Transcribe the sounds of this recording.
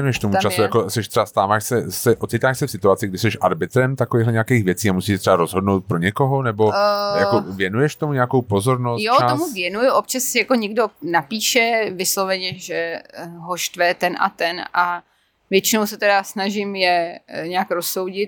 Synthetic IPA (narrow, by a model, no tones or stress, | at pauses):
jɛnujɛʃt̪omuat͡ʃasujakosɛʃt̪r̥ɛbast̪aːvaːʃsɛsɛʔot̪sɪt̪aːʃsɛfsɪt̪uat͡sɪɡdɪsɛʃʔaɾbɪt̪ɾɛmt̪akoveːɣɦlɛɲɛakeːxvjɛt͡siːamusiːʃɛt̪r̥ɛbaɾozɦodnowt̪̚pɾoɲɛkoɦonɛbojaovjɛnujɛʃt̪omuɲɛakowpozo̞ɾnostjjotaomuvjɛnujʊʔop̚t͡ʃassɪjakoɲɛɡdonapiːʃɛvɪslovɛɲɛʒɛɦoʃt̪vɛːt̪ɛnʔa̰t̪ɛnʔa | vjɛt͡ʃɪnowsɛt̪ɛdasnaʒɪmjɛɲɛakɾoso̞wɟɪt̪̚